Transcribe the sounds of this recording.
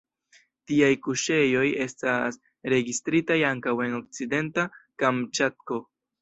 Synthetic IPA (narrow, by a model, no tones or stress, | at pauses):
tiajkuʃe̞jo̞je̞stas | ɾe̞ɡistɾitajaŋkawe̞no̞k̚t͡side̞ntakamt͡ʃat̚ko̞